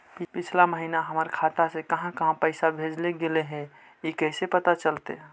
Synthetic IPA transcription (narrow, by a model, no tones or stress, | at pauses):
ppɪt͡ʃʰlaməɦinaɦəməɾkʰat̪asekəɦãkəɦãpəɪsabʱed͡ʒleɡeleɦɛ̃ | ikəɦsepət̪at͡ʃəlt̪ḛ